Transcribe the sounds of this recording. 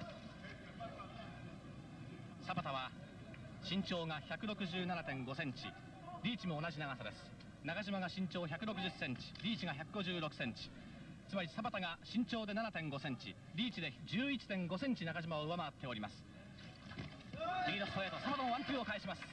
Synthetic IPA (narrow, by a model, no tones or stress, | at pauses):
sabat̪aβa | ɕĩɲ̟t͡ɕo̞ːŋaçakɯ̟ɾo̞kɯ̟ʑɨːnanat̪ẽ̞ŋɡo̞sẽ̞ɲ̟t͡ɕḭ | ɾʲiːt͡ɕimo̞ːnaʑinaɡasad̪e̞sɨ̥ | nakaʑimaɡaɕĩɲ̟t͡ɕo̞ːçʲakɯ̟ɾo̞kɯ̟ʑɨsːẽ̞ɲ̟t͡ɕi̥ɾʲiːt͡ɕiɡaçakɯ̟ɡo̞ʑɨːɾo̞kɯ̟̥sẽ̞ɲ̟t͡ɕi̥ | t͡sɨmaɾʲisabat̪aɡaɕĩɲ̟t͡ɕo̞ːd̪e̞nanat̪ẽ̞ŋɡo̞sẽ̞ɲ̟t͡ɕḭ | ɾʲiːt͡ɕid̪e̞d͡ʑɨːit͡ɕi̥t̪ẽ̞ŋɡo̞sẽ̞ɲ̟t͡ɕinakaʑimaoɯβamaβːt̪ːe̞o̞ɾʲimasɨ̥ | ɾʲiinoshoet̪osabat̪ooβãmpʲio̞kaiɕimasɨ̥